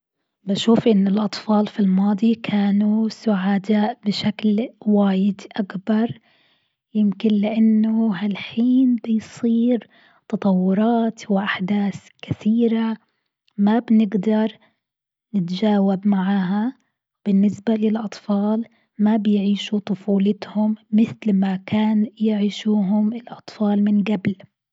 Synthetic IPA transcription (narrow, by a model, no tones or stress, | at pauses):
baʃuːfʔɪnːɪlʔɑt̪ˤfɑːlfilmɑːd̪ˤikʰaːnusʊʕaːd̪aːʔbɪʃaklwaːjɪd̪ʔakbɑɾˤ | jɪmkɪnlɪʔanːʊɦalħiːnbɪjsˤiːɾ | t̪ɑt̪ˤɑwːʊɾˤɑːt̪wɪʔaħd̪aːθkɪθiːɾa | mabnɪɡd̪ɑɾˤ | nɪt̪d͡ʒaːwabmaʕaːɦa | b̥ɪnːɪsbalɪlʔɑt̪ˤfɑːl | mabɪjʕiːʃut̪ˤʊfuːlɪt̪hʊmːɪθlmakaːnjɪʕiːʃuːɦʊmɪlʔɑt̪ˤfɑːlmɪnɡabl